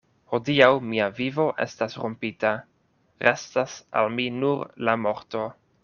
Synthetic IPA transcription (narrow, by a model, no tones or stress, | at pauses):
ho̞diawmiavivo̞ʔḛstasɾompita | ɾestasa̰lminuɾlamo̞ɾto̞